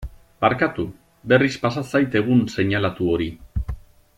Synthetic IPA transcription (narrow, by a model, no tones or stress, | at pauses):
baɾkat̪u | be̞rispasasajt̪e̞ɣ̞unse̞ɲalat̪uo̞ɾi